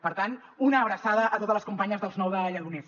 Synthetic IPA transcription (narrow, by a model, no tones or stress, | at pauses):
pəɾt̪an | unəːβɾəsaðəʔət̪ot̪əzləskumpaɲəzðəlˠznɔwðəʎəɣunɛs